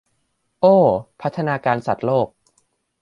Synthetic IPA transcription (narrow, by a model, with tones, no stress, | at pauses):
ʔoː˥˩pʰa˦˥t̪ʰːa˧naː˧kaː˧nsa˨˩t̪̚loː˥˩k̚